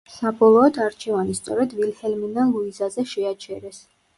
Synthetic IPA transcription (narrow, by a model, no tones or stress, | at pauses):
sabɔlˠɔːd̪aɾt͡ʃʰɛvanist̪sʼɔɾɛd̪vilhɛlminalˠuizazɛʃɛat͡ʃʰɛɾɛs